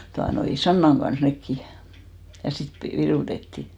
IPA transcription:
tuɑnoi sɑnːɑŋ ɡ̊ɑns nekːi jɑ sit pe ʋiruˑtetːi

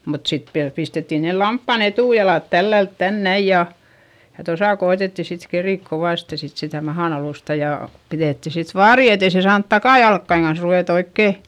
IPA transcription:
mut sit ʋiæl pistetːin nel lɑmpːɑn etuˑjɑlɑˑt tælːælt tæn næij jɑ jɑ tosɑ koetetːi sit keriˑk koʋɑˑste sit sitæ mɑhɑn ɑluˑstɑ jɑ piðeˑtːi sit ʋɑːri etei se sɑːnt tɑkɑˑjɑlkːɑiŋ kɑns ruʋeˑt oikːeˑ

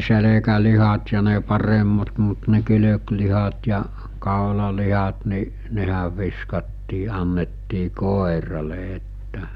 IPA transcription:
selekælihɑt jɑ ne pɑremːɑt mut ne kyløklihɑt jɑ kɑˑolɑlihɑt ni nehæʋ ʋiskɑtːiː ɑnːetːiː koˑerɑle etːæ

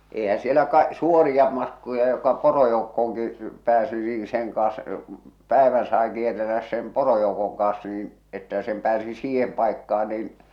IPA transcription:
ehæ sielæ kɑ suorijɑ mɑtkojɑ jokɑ porojoukːoːŋki pæːsi niː seŋ kɑːɑ̃s pæˑeʋæn sɑe kierˑelːæs sem porojoukoŋ kɑːɑ̃s niːn etːæ sem pæːsi siːhem pɑˑekːɑɑ niːn

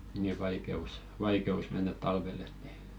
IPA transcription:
niˑ ʋɑikeus ʋɑikeus menːæt tɑlʋelˑ et ni

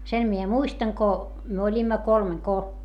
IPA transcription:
sen mie muistɑŋ ko myø olʲimːɑ kolmeŋ ko

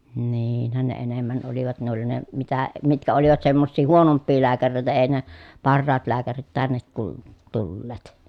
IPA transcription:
niːinhæn ne enemːæn oliʋɑt ne oli ne mitæ mitkæ oliʋɑt semːosːiː huonompːiː læːkæreitæ ei ne pɑrːɑːt læːkærit tænːet tul tulːeːt

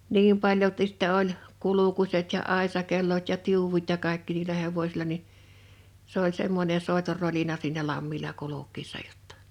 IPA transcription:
niːm pɑljoltis sĭtːɛ olʲ kulukuset jɑ ɑˑesɑkelːot jɑ tiuwut jɑ kɑˑekːi niːlæ heʋosʲilɑ ni s olʲ semːonʲe soˑetor rolinɑ siːnæ lɑmːilɑ kulukˑiːsːɑ jotːɑ̥

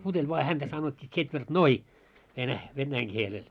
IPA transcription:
putelʲ ʋoɑ hæntæ sɑnotʲːiː ts̆etʋertnoi ʋenæ ʋenːæiŋ kielel

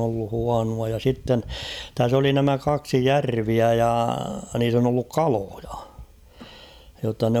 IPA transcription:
olːu huɑnuɑ jɑ sitːen tæs oli næmæ kɑksi jærʋiæ jɑ niːs on olːuk kɑloj̊ɑ̥ jotːɑ nĕ

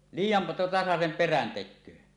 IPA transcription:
liːjːɑn tɑsɑsem peræn tekˑøː

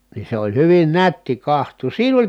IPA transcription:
nin̞ se olʲ hyʋin nætːi kɑhtˑuːs siːn olʲ

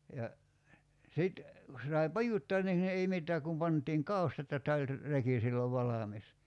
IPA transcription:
jɑ sit ku se sɑi pɑjutːoɑn niŋ ei mitːæː kum pɑntˑiːŋ kɑu̞stɑt jɑ tæ olʲ reki silːoʋ ʋɑlɑmis

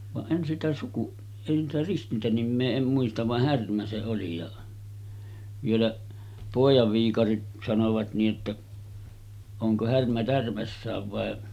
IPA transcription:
ʋɑʔ ʔen sitæ suku en sitæ ristintænimːeː em muistɑʋ ʋɑh hærmæ se oli jɑ ʋielæʔ poˑijɑʋ ʋiːkɑrit sɑnoʋɑt niː ʔetːæ oŋko hærmæ tærmæsːæːʋ ʋɑˑe

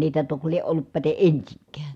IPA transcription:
niːtæ tok lieʔ ʔolːup pæte ʔensiŋkæː

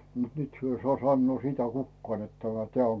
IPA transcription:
mut nyt hyø i sŏɑˑ sɑnːoː sitæ kukːɑːn net tæmæ teæˑ oŋ

